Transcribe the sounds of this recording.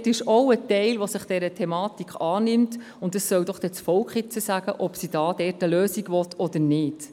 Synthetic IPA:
tɪʃɔwətɛɪlʋosɪχd̥ɛɾətʰɛmɑːtikχɑːnɪmt | ʊntdɑsːœwd̥ɔχd̥ɛt͡sfɔlkχɪt͡səsæɡ̥əʔɔpsid̥ɑːd̥ɛtəløːsiɡʋɔtʰɔd̥əɾnɪːd̥

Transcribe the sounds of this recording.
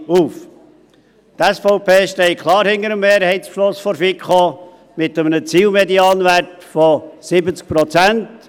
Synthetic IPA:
uːf | t̪ɛsfɔʊpʰeːʃtɛɪkʰlˠɑːɾhɪndəɾəmːeːɾhɛɪtslʊsfɔɾfikχo | mɪt̪əmənət͡siːlmɛdiɑːnʋært | fɔsɪbət͡sk̚pɾɔt͡sænt

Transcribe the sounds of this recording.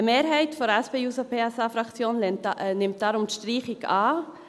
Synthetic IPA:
əmeːɾɦɛɪtfɔɾɛspeːuːsopʰeːɛsɑfɾɑkt͡sjoːnnɪmt̚d̥ɑɾʊmtʃtɾiːχɪkɑː

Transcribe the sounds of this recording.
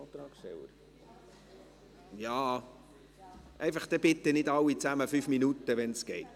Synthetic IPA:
t̪ɾɑːkʃtɛ̰lə̰ɾ | jɑː | ʔɛɪfɑχd̪̥ɛb̥ɪt̪ːənɪdɑlːit͡sæməfyfminutəʋɛnsɡ̥ɛɪt

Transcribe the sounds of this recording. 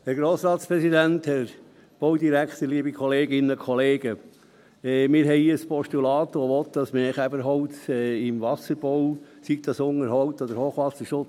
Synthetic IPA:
hæɾɡɾoːsɾɑːt̪spɾɛsid̪ænt̪hɛɾ | b̥owd̪iɾækχt̪əɾliːbikʰχɔleːɡɪnəkʰɔleːɡə | ɛmɪːɾɦɛɪəspɔʃtulɑːt̪ʋɔʋɔt̪̚d̥ɑsmɛχæbəɾɦɔʊtɛɪmʋɑsəɾb̥ɔw | sik̚t̪ɑsʊŋəɾɦɔwt̪ɔd̪əɾhoːχʋɑsəɾʃʊt͡s

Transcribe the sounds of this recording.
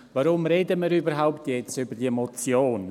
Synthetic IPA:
vaɾʊmɾeːdəmiɾybəɾɦaʊptjɛt͡stybəd̥iəemɔt͡sjoːn

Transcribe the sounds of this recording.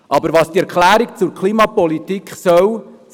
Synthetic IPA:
ʔɑbəɾʋɑsd̥iɛɾkχlæːɾikt͡sʊɾkʰliːmɑpɔlit̪ikχsœw

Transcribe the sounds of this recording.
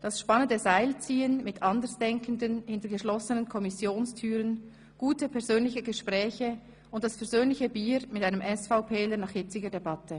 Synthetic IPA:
d̥ɑsʃpɑnəndəzaɪlt͡siːənmɪtʔɑndəsd̥ɛŋkən̩dənhɪntəɡəʃlɔsənənkʰɔmɪsjoːnstʰyːʁən | ɡ̥uːtəpʰɛɐzøːnlɪçəɡəʃpʁ̥ɛːçə | ʊnt̚d̥ɑsfɛɐzøːnlɪçəbiːɾmɪtʔaɪnəmʔɛsfaʊpʰeːlənɑːχhɪt͡sɪɡədebɑtʰə

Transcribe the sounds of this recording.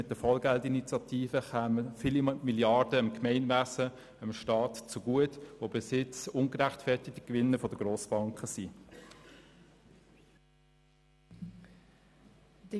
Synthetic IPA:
ɪt̚d̥əfɔlɡæltinit͡sjɑtʰiːfəχæːməfilimiljɑɾd̥əɪmkmɛɪnvæsə | əmʃtɑːtt͡suɡ̥uətʋoːbɪsɪt͡sʊŋɡəɾæχtfɛɐtɪti̥kʋɪnːəfɔd̥əɡ̥ʁoːsb̥ɑŋkχəsi

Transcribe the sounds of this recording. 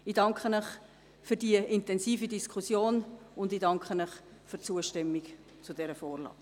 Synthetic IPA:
idɑŋkχənəχ | fyɾdiəʔɪntɛnsiːfidiskʰχusjoːnʊndidɑŋkχənəχfyɾt͡suəʃtɛmːik | t͡sudɛːɾəfoːrlɑ̰̥ː

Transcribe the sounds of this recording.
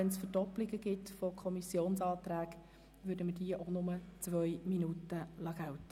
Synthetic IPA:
ɛnsfədɔplɪɡəɡɪtfokʰɔmisjoːnsɑːt̪ɾæːɡ | ʋʏːɾdəməd̥iəʔonʊmət͡sʋœjminutəlɑɡ̥awtə

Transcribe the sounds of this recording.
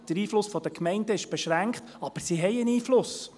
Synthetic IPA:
d̥əɾiːflʊsfɔd̥̪əkmɛɪndəɪʃb̥ɛʃɾæŋkχt̪ | ɑb̥əɾsiɦɛjəniːflʊs

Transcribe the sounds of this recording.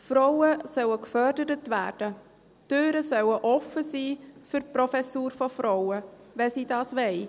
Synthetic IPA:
fɾɔʊəsœwəkfœɾdəɾətvæ̰ːɾd̥ə | tøːɾəsœwəʔɔfəsiːfyɾpɾɔfɛsuːɾfɔfɾɔwə | ʋɛsiːdɑːsʋɛɪ

